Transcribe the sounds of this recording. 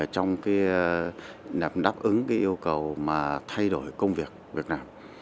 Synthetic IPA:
t͡ɕɔ˧wŋ͡mkaː˨˦jɗa˨˩m̚ɗaː˦˥p̚ʔɨ˨˦ŋkaː˨˦jʔi˧əwkə˨˩wmaː˨˩t̪ʰa˧jɗo˧˩jkə˧wŋ͡mvi˨˩ək̚vi˨˩ət̚naː˧m

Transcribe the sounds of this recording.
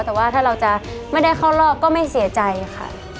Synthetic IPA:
t̪ɛː˨˩waː˥˩t̪ʰaː˥˩ɾa˧wt͡ɕa˨˩ | ma˥˩jda˥˩jkʰa˥˩wɾɔː˥˩p̚kɔː˥˩ma˥˩jsi˩˦ɐt͡ɕa˧jxʰa̰˥˩

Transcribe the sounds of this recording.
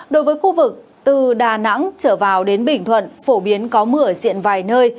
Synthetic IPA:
ɗo˨˦jvəː˨˦jxu˧vɨ˨˩k̚ | t̪ɨ˨˩ɗaː˨˩na̰˧˥ŋt͡ɕəː˧˩vaː˨˩wɗe˨˦nɓï˧˩ŋ̟t̪ʰwə̰˧˨nfo˧˩ɓi˨˦ənkɔ˨˦mɨ˧˩əzḭ˧˨ənvaː˨˩jnəː˧j

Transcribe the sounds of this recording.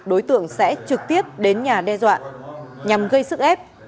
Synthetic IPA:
ɗo˨˦jt̪ɨ̰˧˨əŋsɛ̰˧˥t͡ɕɨ˨˩k̚t̪i˦˥əp̚ɗe˨˦nɲaː˨˩ɗɛ˧zwa̰ː˧˨nɲa˨˩mɣə˧jsɨ˦˥k̚ʔɛ˦˥p̚

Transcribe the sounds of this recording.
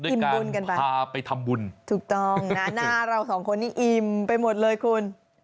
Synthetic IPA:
du˥˩i˨˩m˧bu˧nka˧npa˧jaː˧pa˧jt̪ʰa˧mbu˧nt̪ʰuː˨˩k̚t̪ɔ˥˩ŋna˦˥naː˥˩ɾa˧wsɔː˩˦ŋkʰo˧nːtːiː˥˩ʔi˨˩mpa˧jmo˨˩t̪̚lɤː˧jkʰu˧n

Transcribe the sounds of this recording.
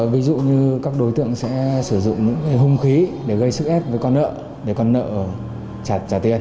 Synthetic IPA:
vi˨˦zṵ˧˨ɲɨ˧kaː˦˥k̚ɗo˨˦jt̪ɨ̰˧˨əŋsɛ̰˧˥sɨ˧˩zʊ̰˧˨ŋ͡mɲɨ̰˧˥ŋkaː˨˦jɦʊ˧ŋ͡mxi˨˦ɗe˧˩ɣə˧jsɨ˦˥k̚ʔɛ˦˥p̚vəː˨˦jkɔ˧nːə̰ː˧˨ | ɗe˧˩kɔ˧nːə̰ː˧˨˩ | t͡ɕaː˨˩t̚t͡ɕaː˧˩t̪i˧ən

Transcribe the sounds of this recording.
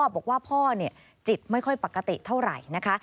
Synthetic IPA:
b̚ɔː˨˩k̚waː˥˩pʰɔː˥˩ni˥˩ə | t͡ɕi˨˩t̪̚ma˥˩jkʰɔ˥˩jpa˨˩kːa˧t̪ḭ˨˩t̪ʰa˥˩wɾa̰˨˩jna˦˥kʰa˦˥

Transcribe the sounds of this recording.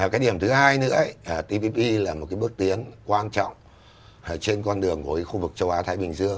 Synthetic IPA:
kaː˨˦j̚ɗi˧˩əmt̪ɨ˨˦haː˧jnɨ̰˧˥ə˦jʔəː˨˩t̪i˧pi˧pi˧laː˨˩mo˨˩t̚kaː˨˦jɓɨ˦˥ək̚t̪i˨˦ənkwaː˧nt͡ɕɔ̰˧˨wŋ͡m | t͡ɕe˧nkɔ˧nɗɨ˨˩əŋku˨˧˩kːxu˧vɨ˨˩k̚t͡ɕə˧wʔaː˨˦t̪ʰaː˨˦jɓï˨˩ŋ̟zɨ˧əŋ

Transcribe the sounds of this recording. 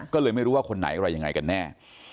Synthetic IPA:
kɔː˥˩lːɤː˧jma˥˩jɾuː˦waː˥˩kʰo˧nːa̰˩˦jʔa˧˩ɾa˧ja˧ŋa˧jka˧nːɛː˥˩

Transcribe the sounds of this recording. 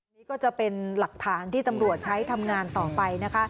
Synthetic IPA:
niː˦˥kɔː˥˩t͡ɕa˨˩pe˧nla˨˩k̚t̪ʰaː˩˦nt̪ʰiː˥˩t̪a˧mɾu˨˩ət̪̚t͡ɕʰa˦˥jt̪ʰa˧mŋaː˧nt̪ɔː˨˩pa˧jna˦˥kʰa˦˥

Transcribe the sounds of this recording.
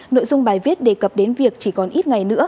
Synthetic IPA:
no̰˧˨jzʊ˧ŋ͡mɓaː˧˩jvi˦˥ət̚ɗe˧˩kə˨˩p̚ɗe˨˦nvi˨˩ək̚t͡ɕi˧˩kɔ˨˩nʔi˦˥t̚ŋa˨˩jnɨ̰˧˥ə

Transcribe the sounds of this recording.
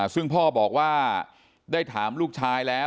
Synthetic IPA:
sɯ˥˩ŋpʰɔː˥˩bɔː˨˩k̚waː˥˩ | daː˥˩jt̪ʰaː˩˦mluː˥˩k̚t͡ɕʰaː˧jlɛː˦˥

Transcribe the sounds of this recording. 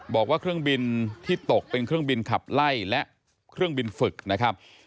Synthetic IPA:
bɔː˨˩k̚waː˥˩kʰɾɯ˥˩ŋbi˧nt̪ʰiː˥˩t̪o˨˩k̚pe˧nkʰɾɯ˥˩əŋbi˧nkʰa˨˩p̚la˥˩jlɛ˦˥ʔ | kʰɾɯ˥˩əŋbi˧nfɯ˨˩k̚na˦˥kʰa˦˥p̚

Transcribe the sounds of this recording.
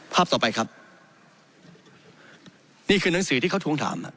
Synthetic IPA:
pʰaː˥˩t̪ɔː˨˩pa˧jkʰɾa˦˥p̚ | niː˥˩kʰɯː˧na˨˩˦ŋsɯː˩˦t̪iː˥˩a˥˩t̪ʰu˧əŋt̪ʰa̰ː˩˦mʔa̰˨˩

